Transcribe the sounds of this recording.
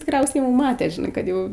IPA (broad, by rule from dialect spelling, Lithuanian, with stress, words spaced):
tʲɪkˈrʲɛʊsʲɛɪ jɛʊ ˈmɑːtʲɛ ʒʲɪˈnɐɪ kɐt ˈjɛʊ